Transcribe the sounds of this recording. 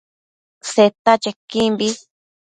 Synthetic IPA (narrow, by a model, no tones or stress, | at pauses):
set̪at͡ʃekĩmbi